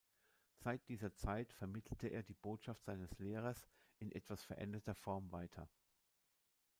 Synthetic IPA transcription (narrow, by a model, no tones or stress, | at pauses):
z̥aɪt̚d̥iːzɐt͡saɪtfɛɐmɪtʰl̩tʰəʔḛːɐdiːboːtʃaftz̥aɪnəsleːʁ̞ɐs | ɪnʔɛtv̥asfɛɐʔɛ̰ndɐtɐfɔɐmvaɪtʰɐ